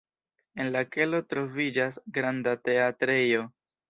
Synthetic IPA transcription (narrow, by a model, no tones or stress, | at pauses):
e̞nlake̞lo̞tɾo̞vid͡ʒasɡɾandate̞atɾejo̞